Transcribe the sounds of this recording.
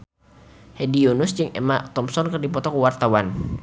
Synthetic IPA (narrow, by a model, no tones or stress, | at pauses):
hedionʊsd͡ʒɨŋɛ̰mat̪ɔmsɔnkɨrdipɔt̪ɔkəwart̪awan